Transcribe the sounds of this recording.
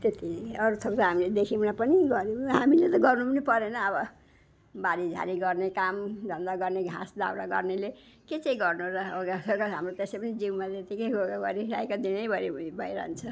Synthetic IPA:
t̪et̪iʌɾut̪ʰʌkt̪ʌɦamiled̪ekʰimnapʌniɡʌɾeɦamilet̪ʌɡʌrnupʌnipʌɾenʌːbʌ | baɾid͡zʱa̰ɾiɡʌrnekamd͡zʱʌnd̪aɡʌrneɡʱã̰sd̪a̰wɾaɡʌ̰rnele | ket͡sʌĩɡʌrnuɾʌoɡasʌkaɦamrot̪esepʌnid͡ziwmat̪et̪ikʌjʱoɡaɡʌɾiɾa̰jkod̪inʌjbʱʌɾibibʱʌjɾʌ̰ɦnt͡sʰʌ

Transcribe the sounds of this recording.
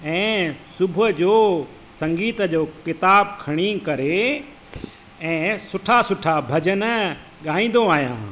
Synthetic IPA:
ɛ̃ːsʊbʱəd͡ʑoː | sɐ̃ŋɡiːt̪əd͡ʑoːkɪt̪aːbkʰɐɽ̃ikɐɾe | ɛ̃ːsʊʈʰasʊʈʰabʱɐd͡ʑənə | ɠaːĩːn̆d̪oaːɦijã̰ː

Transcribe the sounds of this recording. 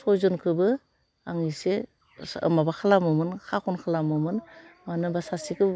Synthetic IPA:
sɔjzɔnkʰɯbɯ | aŋise | ɯ̰mabakʰalamɯmɯnkʰakʰɔnkʰalamɯmɯnmanɯbasasikʰɯ

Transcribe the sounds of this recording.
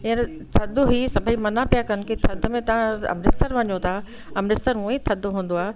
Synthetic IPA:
ĩən | t̪ʰɐd̪ʊɦisɐbʱəimɐnapijakɐn̆kʰit̪ʰɐd̪ʱʊ̆mẽt̪ɐʋ̤ãɐ̰mɾɪst̪əɾʋɐɲot̪ʰa | ɐmɾɪst̪əɾũẽt̪ʰɐd̪ʱɦũːn̆d̪oaːe

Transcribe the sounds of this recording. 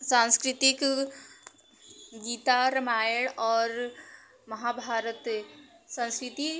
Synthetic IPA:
sãnskɾɪt̪ɪk | ɡiːt̪aɾəmaːjəɽɔːɾ | mɐɦabʱaːɾət̪ | sə̃nskɾɪt̪i

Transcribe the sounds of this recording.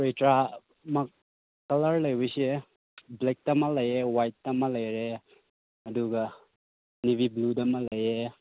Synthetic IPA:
ojtɾa | mɐ | kɐlɐɾlɐjbɐjse | blek̚tɐmɐlɐjewajtːɐmɐlɐjɾe | ɐduɡɐ | niβibludɐmɐlɐje

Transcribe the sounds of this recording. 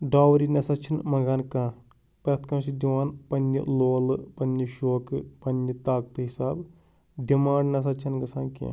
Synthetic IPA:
ɖaːwɾinɐsɐt͡ʃʰinmɐɡaːnkãː | pɾɐt̪ʰkɐ̃ːʃid͡ʒ̪iʋaːnpɐnːḭloːlɨpɐnːiʃoːkɨpɐnʲːit̪aːk̚t̪ɨɦisaːb | ɖimaːɳɖnɐs̬ɐt͡ʃʰinɡɐsãːkḭ̃

